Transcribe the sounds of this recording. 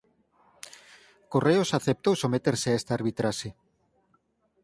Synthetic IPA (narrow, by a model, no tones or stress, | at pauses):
koreosaθep̚t̪owsomet̪eɾseaest̪aaɾβit̪ɾaʃe